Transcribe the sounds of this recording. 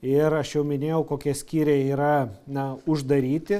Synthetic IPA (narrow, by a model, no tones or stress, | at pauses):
ɪɾɐʃjɛʊmʲɪnʲeːjɛʊkoːkʲiɛsʲkʲiːɾʲeːiːɾɐnɐʊʒd̪ɐɾʲiːt̪ʲɪ